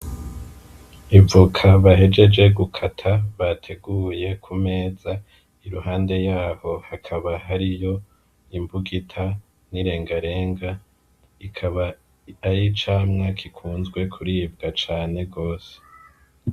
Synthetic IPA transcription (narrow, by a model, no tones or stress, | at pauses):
ivukʰaβaɦe̞d͡ʒe̞d͡ʒe̞ɡukʰatʰaβatʰe̞ɡuːje̞kʰume̞ːza | iɾuhaːnde̞jaːho̞hakʰaβaɦaɾijo̞ | imbuɡitʰa | niɾe̞ːŋɡaɾe̞ːŋɡa | ikʰaβa | ajit͡ʃaːmŋakʰikʰuːnzɡwe̞kʰuɾiːbɡat͡ʃaːne̞ɡo̞ːse̥